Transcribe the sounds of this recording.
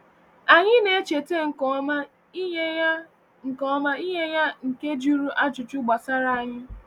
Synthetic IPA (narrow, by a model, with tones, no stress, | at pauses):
a˨ɲɪ˦ne˨˦t͡ʃe˨te˦ŋ̩˨ma˦ | ŋ̩˨kɔ˦ma˦i˦ɦe˦ja˦ŋ̩˨ke˦d͡ʒu˦ɾu˦ʔa˦t͡ʃʊ˨t͡ʃʊ˦ɡ͡ba˨sa˦ɾa˦˨a˨ɲɪ˦